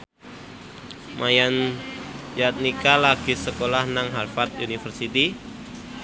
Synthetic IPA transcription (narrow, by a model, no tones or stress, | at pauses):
mʔajan | jat̪̚nikalaɡ̥i̤səkolahnaŋɦarfat̪̚unifərsit̪i